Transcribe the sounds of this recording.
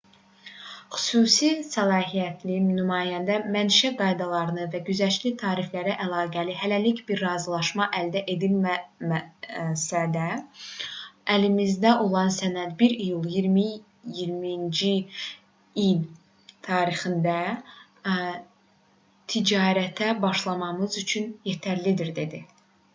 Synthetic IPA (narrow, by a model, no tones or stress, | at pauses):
χy̥suːsisælˠɑːɦijæt̪ʰlinymɑːjænd̪æmænʃæɡɑjd̪ɑlˠɑɾɯnɯvæɟyzæʃlit̪ʰɑːɾiflæɾæʔælˠɑːɡæliɦælælicbiɾːɑːzɯlˠɑʃmɑʔæld̪æʔe̞d̪ilmmsæd̪æ | ælimizd̪æʔo̞lˠɑnsænæd̪biɾijulˠjiɾmi | jiɾmind͡ʒi | ilʲ | t̪ʰɑːɾixind̪æ | t̪ʰid͡ʒɑːɾæt̪ʰæbɑʃlˠɑmɑmɯzyt͡ʃʰynjet̪ʰæɾlid̪iɾd̪e̞d̪i